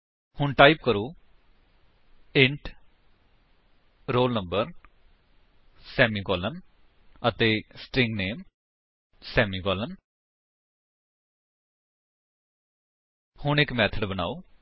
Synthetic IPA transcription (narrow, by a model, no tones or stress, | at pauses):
hʊɳʈaːip̚kəɾuː | ɪ̃ɳʈ | ɾoːlnəmbəɾ | sɛːmiːɡɔːlən | ət̪eːsʈɾɪ̃ŋɡneːm | sɛːmiːɡɔːlən | hʊɳɪkmɛːt̪ʰəɖbəna̰ːuː